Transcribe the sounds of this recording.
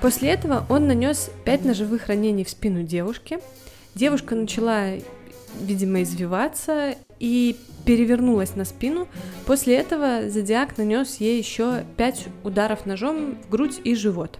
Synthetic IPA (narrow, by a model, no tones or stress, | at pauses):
posʲlʲɪɛt̪əvəʔo̞nːɐnʲo̞spʲæt̚ʲnəʐɨvɨxrɐnʲenʲɪjfspʲinʊdʲe̞vʊʂkʲɪ | dʲe̞vʊʂkənət͡ɕɪlˠa | vʲidʲɪməɪzvʲɪvat̪sə | ipʲɪɾʲɪvʲɪrnulˠəsʲnɐspʲinʊposʲlʲɪɛt̪əvəzədʲɪaknɐnʲo̞sjejɪɕːopʲætʲʊd̪aɾəfnɐʐo̞mvɡɾutʲiʐɨvo̞t̪